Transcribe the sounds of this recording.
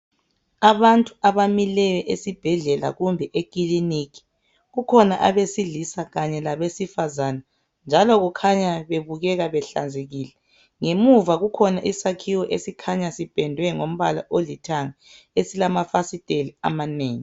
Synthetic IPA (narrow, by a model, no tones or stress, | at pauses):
aβantʼuaβamilɛjɛʔesib̥ʱɛɮɛla̰ɣumbʱɛʔekilinikʰi̥ | ɣukʰɔnaʔa̰βesiɮisaɣaɲɛlaβesifazana | nd͡ʒʱalɔɣukʰaɲaβeβuɣɛɣaβɛɬa̰nd͡zʱeɣiːlɛ | ŋemuvaɣukʰɔnaʔisakʰiwɔʔesikʰaɲasib̥ʱɛndʱwɛŋom̩βala̰ʔolitʰaŋa | esilamafasitʼelia̰maneːŋi